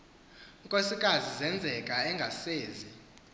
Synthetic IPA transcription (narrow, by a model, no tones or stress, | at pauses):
ŋkʼesikʼazizɛnd͡zʱɛkʼaɛŋɡʱaseːzi